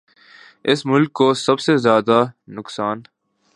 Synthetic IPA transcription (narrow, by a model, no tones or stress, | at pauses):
ɪsmʊlkːosɐbsezjaːd̪anʊksaːn